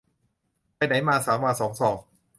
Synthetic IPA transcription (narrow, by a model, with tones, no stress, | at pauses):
pa˧jna˩˦jmaː˧saː˩˦mwaː˧sɔː˩˦ŋsɔː˩˦ŋ